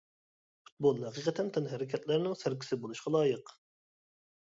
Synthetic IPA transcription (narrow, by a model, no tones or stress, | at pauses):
fu̥t̪̚bolˠhæqiqʰət̪ʰɛnt̪ʰɛnɦæɾɪkʲʰɛt̪læɾɪnɪŋsæɾkʲʰi̥sɪbolˠuʃqɑlˠɑːjəq